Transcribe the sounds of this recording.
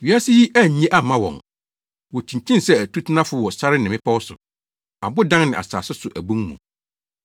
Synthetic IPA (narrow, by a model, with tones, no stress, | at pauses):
ɥi˨a˦sɪ˦ji˦ʔæ˦˨ɲ̩˨ɲĩ˦ʔa˦˨mã˦wɔ̰̃˨ŋ | wɔ˨t͡ɕʰĩ˨ɲt͡ɕʰĩ˦nsɛ˦æ˨tʰu˦tʰɪ˦nã˦fʊ˨˦wɔ˨sa˦ɾɪ˦nɪ̃˨mɪ̃˦pʰa˦wɔ˦sʊ̰˨ | a˨bʊ˦dã˦ŋnɪ̃˨ʔa̰˨sa̰ː˨sɪ˦sʊ˨ʔæ˨bũ˦ŋmṵ̃˨